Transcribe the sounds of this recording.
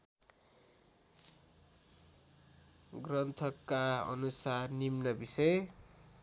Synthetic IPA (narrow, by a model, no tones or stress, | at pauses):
ɡrʌnt̪ʰʌkːaʌ̰nusarnimnʌbisʌ